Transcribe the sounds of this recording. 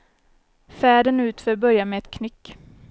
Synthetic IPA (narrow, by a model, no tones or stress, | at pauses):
fæːɖənʉ̟ːt̪fœɾbœɾjamɛɛt̪kʰnʏkː